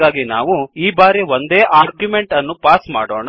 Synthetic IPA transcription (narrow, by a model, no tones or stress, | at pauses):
aːɡina̰ːʋuiːbaːɾiʋond̪e̞ːʔaːɾɡjume̞ɳʈɐnːupaːsma̰ːɽo̰ːɳa